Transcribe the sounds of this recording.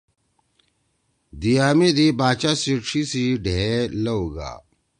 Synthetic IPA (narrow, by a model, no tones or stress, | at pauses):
d̪ijaːmid̪ibaːt͡ɕasiʈ͡ʂʰisiɖʱelouɡa̰ː